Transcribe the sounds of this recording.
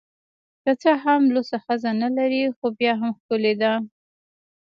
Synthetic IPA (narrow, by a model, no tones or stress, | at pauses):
kat͡səɦamlosaxəzanalaɾixobjɑɦamxkʊled̪a